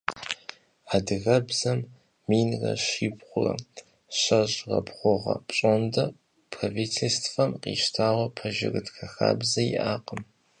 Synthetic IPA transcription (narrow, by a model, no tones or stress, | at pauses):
adɨɣɐbz̥ɐmː | iːnrɐ̰ɕiːbχʷʊrɐ̰ | ɕɐɕʼʁɐ̰bʁʷʊʁɐ̰pɕʼondɐ | pʰraviːtʰelstʰfɐmqḭːʃtʰaːwɐpʰɐʒɪ̰rɨdxʰɐxa̰ːbzɐiʔaːqʼəm